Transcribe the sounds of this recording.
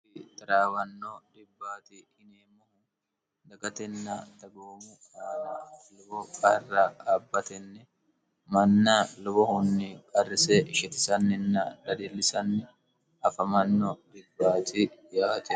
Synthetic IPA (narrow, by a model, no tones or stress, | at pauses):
ɪt̪ʼɐɾaːwɐnːod̪ɪbːaːt̪ihɪneːmːɔhʊn | d̪ɐɡɐt̪ɛnːɐd̪ɐɡoːmu | aːnɐlʊbɔkʼɐrːɐɐbːɐt̪ɛnːɛ | mɐnːalʊbɔhʊnːɪkʼɐrːɪsɛʃɛt̪ɪ̥sɐnːɪnːɐd̪ɐd̪ɪlːɪsɐnːɪ | ɐfɐmɐnːod̪ɪbːaːt̪ijaːt̪ɛ